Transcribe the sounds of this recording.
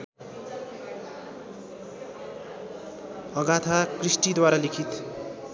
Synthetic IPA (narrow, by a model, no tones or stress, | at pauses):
ʌɡat̪ʰakrisʈid̪waɾalikʰit̪